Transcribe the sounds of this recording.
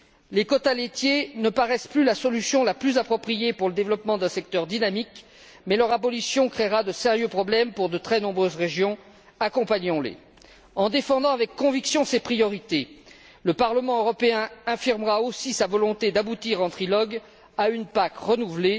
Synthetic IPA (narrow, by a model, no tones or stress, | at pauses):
lekɔt̪alet̪jenəpaʁɛsplylasɔlysjɔ̃laplyzapχɔpχijepuʁləd̪evlɔpmɑ̃d̪ɛ̃sɛkt̪œʁd̪inamik | mɛlœʁabɔlisjɔ̃kχeʁad̪əseʁjøpχɔblɛmpuʁd̪ət̪χɛnɔ̃bʁøzʁeʒjɔ̃ | akɔ̃paɲɔ̃lḛ | ɑ̃d̪efɑ̃d̪ɑ̃avɛkːɔ̃viksjɔ̃sepχijɔʁit̪e | ləpaʁləmɑ̃øʁɔpeɛ̃afiʁmʁaosisavɔlɔ̃t̪ed̪abut̪iʁɑ̃t̪χilɔɡ | aynpakʁənuvle